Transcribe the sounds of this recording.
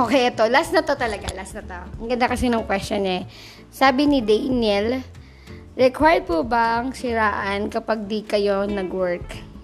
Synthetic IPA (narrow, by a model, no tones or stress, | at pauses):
ʔoːkɛjɐt̪o̞lasnɐt̪ot̪ɐlɐɡa̰lasnɐt̪o̞ɐɡɐnd̪akɐsɛnɐŋkwɛst̪jonɲa | saːbɪnɪd̪ɐjnɛl | ɹɛkwajd̪̚pubɐʔɐŋsɪɾaːʔɐnkɐpaɡ̚d̪ikɐjo̞nɐɡwɛɹk